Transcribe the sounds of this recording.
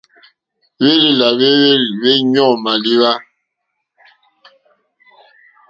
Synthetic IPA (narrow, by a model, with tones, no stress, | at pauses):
we˦li˦˨la˨βe˦βe˦ɲ˦ɔ˦˨ma˨li˦βa˦